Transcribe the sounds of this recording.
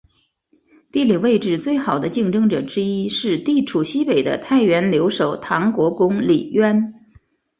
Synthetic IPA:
t̪i˥˩li˨˩we˥˧ɪʈ͡ʂɻ̩˥˩t͡swe˥˩ɪxɑ˨˩ʊd̪ə˦t͡ɕi˥˩ŋʈ͡ʂɤ˥ŋʈ͡ʂɤ̰˨˩ʈ͡ʂɻ̩˥i˥ʂɻ̩˥˧t̪i˥˩ʈ͡ʂʰu˨˩ɕi˥pe˨˩ɪd̪ə̰˦t̪ʰa˥˩ɪɥɛ˧˥nljo˧˥ʊʂo˨˩ʊt̪ʰɑ˧˥ŋkwɔ˧˥kʊ˥ŋlḭ˨˩ɥɛ˥n

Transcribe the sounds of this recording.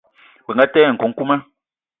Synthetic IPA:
bɛ˨ŋɡa˦tɛ˦˨ŋ̩˨kɔ˨ŋ̩˦ku˦mɛ˦

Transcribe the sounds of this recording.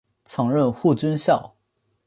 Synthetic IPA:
t͡sʰɤ˧˥ŋɻə˥˧nxu˥˩t͡swə˥nɕjɑ˥˩ʊ

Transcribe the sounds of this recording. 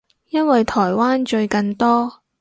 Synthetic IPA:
jɐ˥nwɐ˨jt̪ʰɔː˨˩jwaː˥nt͡ʃɵ˧ɥkɐ˧nt̪ɔː˥

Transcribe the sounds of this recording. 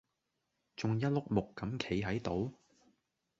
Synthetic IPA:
t͡sʊ˨ŋjɐ˥t̚lʊ˥k̚mʊ˨kːɐ˨˥mkʰe˨˥jɦɐ˨˥jt̪o˨˥w

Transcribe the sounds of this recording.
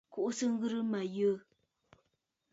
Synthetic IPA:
ku˦˨ʔsɨ˦ŋ̩˦ɣɨ˦ɾɨ˦ma˨jə˦

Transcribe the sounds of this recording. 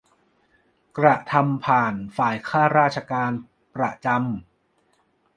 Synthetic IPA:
kɾa˨˧t̪ʰa˧mpʰaː˨˩nfaː˨˩jkʰaː˥˩ɾaː˥˩t̚t͡ɕʰa˧kaː˧n | pɾa˧˩t͡ɕa˧m

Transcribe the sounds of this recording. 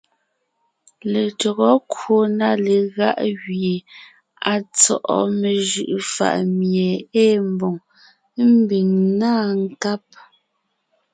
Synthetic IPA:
le˨tɔ˨ɣɔ˦kwo˦˨na˦˨le˨ɣa˦ʔɣɥje˨ | a˨t͡sɔ˦˨ʔɔ̰˦me˨ʒɯ˨ʔfa̰˦˨ʔmje˨eː˦m˦bɔ˨ŋ˦ | m̩˦bi˨ŋnaː˦ŋ˦ka˦p̚

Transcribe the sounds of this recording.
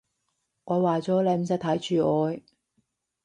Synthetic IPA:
ʔɔː˨˧waː˨˩t͡sɔː˨˥le˨˧m̩˨sɐ˧˥k̚t̪ʰɐ˨˥jt͡ʃyː˨ɔː˨˧j

